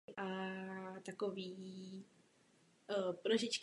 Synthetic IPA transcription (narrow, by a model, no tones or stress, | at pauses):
ʔat̪akoviː | pɾoʒɪt͡ʃk